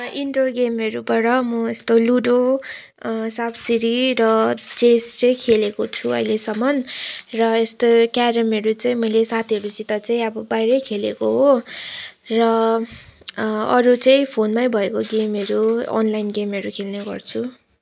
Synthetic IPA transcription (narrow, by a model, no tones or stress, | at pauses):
iɳʈorɡemʌɾubaɽʌmʌest̪oluɖo | sabsiɾiɾʌt͡sest͡sʌĩkʰelekot͡sʰuʌ̰jlesʌmʌnrʌest̪okaɾʌmʌɾut͡saĩmʌjlesat̪ʰiʌɾusit̪ʌt͡saĩʌbʌbajɾʌjkʰelekoɦo | rʌ | ʌɾut͡saĩpʰonmajbʱʌekoɡemʌɾuʌ̰nlajnɡemɦʌɾukʰelneɡʌ̰rt͡sʰu